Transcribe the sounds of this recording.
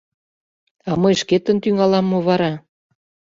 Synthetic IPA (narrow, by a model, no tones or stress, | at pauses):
ɑmɤjʃket̪ə̆nt̪yŋɑlɑmːoβɑɾɑ